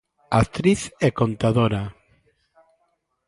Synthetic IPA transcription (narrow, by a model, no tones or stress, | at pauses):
akt̪ɾiθekont̪aðoɾa